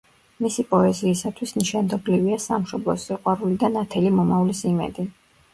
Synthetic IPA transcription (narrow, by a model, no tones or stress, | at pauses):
misipʼɔɛziːsat̪ʰwisniʃand̪ɔbliviasamʃɔblˠɔ̰siqʼwaɾulid̪anat̪ʰɛlimɔmaulisimɛ̰d̪i